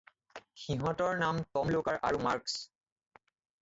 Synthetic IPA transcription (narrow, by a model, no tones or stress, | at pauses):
xiɦɔ̃tɔɹnamtɔmlokaɹʔa̰ɹumaɹks